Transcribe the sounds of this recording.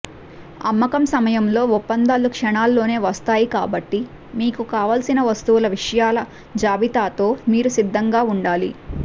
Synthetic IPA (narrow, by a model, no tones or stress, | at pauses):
ɐmːɐkɐmsɐmɐjɐmlo̞ːupːɐnd̪aːlːukʂɐɳaːlːo̞ːne̞ːʋɐst̪aːjika̰ːbɐʈːi | miːkukaːʋɐːlsinɐʋɐst̪uwulɐʋiʂɐjaːlɐ | d͡ʒaːbit̪aːt̪o̞ːmiːɾusid̪ʱːɐŋɡaːuɳɖaːlḭ